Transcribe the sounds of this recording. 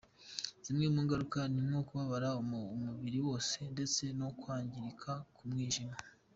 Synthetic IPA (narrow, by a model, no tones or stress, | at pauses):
z̥imŋemuːŋɡaɾukanimŋo̞kuβaβaɾamuβiɾiwo̞ːse̞nde̞t͡se̞no̞kwaːɲɟiɾikʰakumŋiːʒima